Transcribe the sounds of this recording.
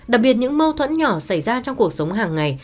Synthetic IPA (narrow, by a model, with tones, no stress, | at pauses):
ɗaː˨˩ɓi˨˩ət̚ɲɨ̰˧˥ŋmə˧wt̪ʰwə̰˧˥nɲɔ˧˩sa˧˩jzaː˧t͡ɕɔ˧wŋ͡mku˨˩ək̚sə˨˦wŋ͡mɦaː˨˩ŋːa˨˩j